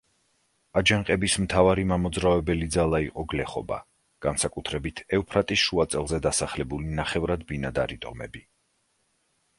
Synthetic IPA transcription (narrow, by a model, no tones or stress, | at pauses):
ad͡ʒaɴqʼɛbismt̪ʰavaɾimamɔd̪zɾavɛbɛlid̪zalˠaiqʼɔɡlɛχɔba̰ | ɡ̥ansakʼut̪ʰɾɛbit̪ʰɛupʰɾat̪ʼisʃuat̪sʼɛlˠzɛd̪asaχlɛbulinaχɛvɾad̪binad̪a̰ɾit̪ʼɔmɛ̰bi